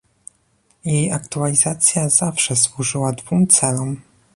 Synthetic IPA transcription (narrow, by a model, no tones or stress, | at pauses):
jejakt̪ualʲizat̪sʲjazafʂɛswuʐɘwad̪vumt̪sɛlɔm